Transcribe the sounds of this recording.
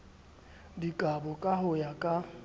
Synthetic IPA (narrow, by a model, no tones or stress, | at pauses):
dikʼabʊkʼahʊjakʼa